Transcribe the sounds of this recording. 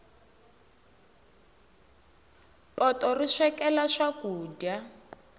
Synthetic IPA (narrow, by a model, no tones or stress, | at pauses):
pɔtɔriʂɛkɛlaʂakuːdja